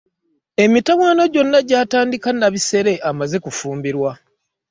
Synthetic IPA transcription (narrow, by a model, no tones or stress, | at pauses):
e̞mitawaːno̞ɟo̞nːaɟaːtaːndikanːaβise̞ɾe̞ʔamaze̞kufuːmbiɾwa